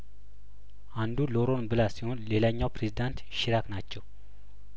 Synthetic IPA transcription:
ʔand̪uloɾo̞nbɨlasihonle̞laɲːawpɾezid̪ant̪ʃɪɾaknat͡ʃːɛw

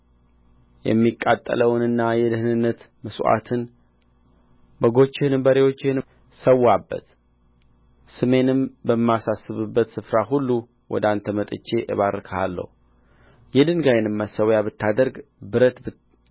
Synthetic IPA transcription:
jɛ̰mːikʼːat̪ʼːə̰ləwnɨnːajɛd̪ɨhnɨnːət̪ | məsʔa̰t̪ʰɨn | bəɡo̞t͡ʃːɪhɨnɨbəɾewo̞t͡ʃːɪhɨn | səwːabːə̰t̪ | sɨme̞nɨmbəmːjasasːɨβɨbːət̪sɨfɾaɦulːu | wʔɔ̰d̪ant̪ʰəmət̪ʼɨ̰t͡ʃːe̞ʔɨ̰βaɾkʰəa̰lːə̰hu | jɛd̪ɨŋɡajɛnɨmːasəwjaβɨt̪ʰːad̪əɾɡbɨɾət̪bɨ

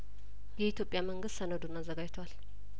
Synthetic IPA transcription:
jɛit̪ʰjo̞pʼːjaməŋɡɨst̪sənəd̪unazːəɡajt̪ʰwal

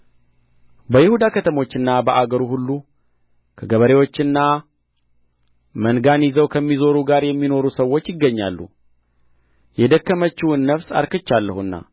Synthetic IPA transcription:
bəjɪhud̪akʰət̪ʰəmo̞t͡ʃːɨnːabəʔaɡəɾuhulːu | kʰəɡəβəɾe̞wo̞t͡ʃːɨnːa | mənɡanjɪzəwkʰəmːizo̞ɾuɡaɾjɛmːino̞ɾusəwːo̞t͡ʃːjɪɡːəɲːa̰lːṵ | jɛd̪əkːəmət͡ʃːuɨnːəfsa̰ɾkɨt͡ʃːalːəhuɨnːa̰

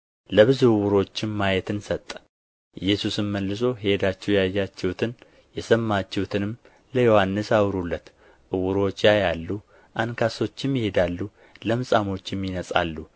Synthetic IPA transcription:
ləβɨzuwʊɾo̞t͡ʃːɪmmajɛt̪ɨnsət̪ʼː | ʔɨjːɛsusɨnməlːɨso̞hhed̪at͡ʃːɛwjajːat͡ʃːɛwut̪ʰɨn | jɛsəmːat͡ʃːɛwut̪ʰɨnɨm | ləjo̞hanːɨsawɾulːət̪ | ʔɨwʊɾo̞t͡ʃːjajalːu | ʔankʰaso̞t͡ʃːɪmjɪhe̞d̪alːu | ləmɨsʼamo̞t͡ʃːɪmjɪnəsʼa̰lːu

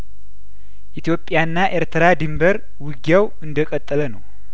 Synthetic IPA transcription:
ʔit̪jo̞pʼːjanːaʔe̞ɾt̪ʰəɾad̪ɨmbəɾ | wɨɡjawɨnd̪əkʼət̪ʼːələnəw

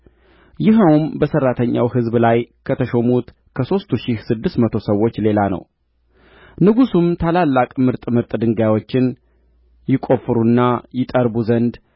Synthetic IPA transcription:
jɪɦəwmbəsərːat̪ʰəɲːa̰wɦɨzblajkʰət̪ʰəʃomut̪ | kʰəso̞st̪ʰuʃihsɨd̪ːɨst̪mət̪ʰo̞səwːo̞t͡ʃːle̞lanə̰w | nɨɡusumt̪ʰalalːakʼmɨɾt̪ʼmɨɾt̪ʼd̪ɨŋɡawo̞t͡ʃːɪn | jɪkʼo̞fɨɾunːajɪt̪ʼəɾbuzənd̪

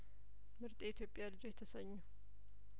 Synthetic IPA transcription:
mɨɾt̪ʼiit̪ʰjo̞pʼjalɨd͡ʒojɛt̪ʰəsəɲːu

